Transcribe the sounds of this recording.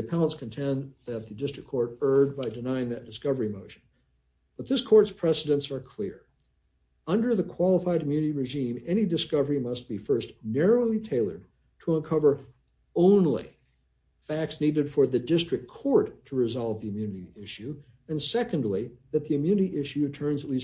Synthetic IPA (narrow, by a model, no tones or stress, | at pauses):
ɨpʰælˠə̃ntskʰɨ̃ntʰɛ̃nðɨt̪̚ðɨdɪstɹ̥ɨkʰɔɹɾɜ˞d̚baɪdɨnaɪɪ̃ŋðɨt̚d̥ɨskʌvə˞imoʊʃɨ̃n̩ | b̥ʌt̪̚ðɪskʰɔɹtspʰɹ̥ɛsəɾɨ̃nsə˞kʰl̥ɪɹ | ʌ̃ndə˞ðɨkʰw̥ɑlˠəfaɪɾʰmjʉnɨɾiɹɨʒĩmɛñidɨskʌvə˞imʌst̚b̥ifɜ˞stnɛɹoʊlˠitʰeɪlˠə̰˞d̚ | tʰəə̃nkʰʌvə˞ | õʊ̃nlḭ | fæk̚tsniɾɨd̥fə˞ðɨdɪstɹ̥ɨk̚kʰɔɹtʰəɹɨzɑlˠvðiɨmjʉnɨɾiɪʃʉ | ɨ̃nsɛkɨ̃ndˡliðɨt̪̚ðɨɨmjʉnɨɾiʔɪʃʉtʰɜ̃˞nzətˡlis